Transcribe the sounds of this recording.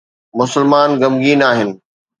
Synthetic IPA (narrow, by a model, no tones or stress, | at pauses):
mʊsɪlmaːnɡɐmɡiːnaːɦɪnɪ̆